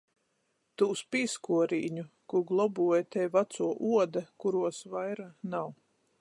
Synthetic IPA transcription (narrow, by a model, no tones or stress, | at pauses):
t̪uːspiːskuɔɾḭːɲukuɡlˠɔbuɔjt̪ɛjvat̪suɔʔuɔd̪akuɾuɔsvajɾanaw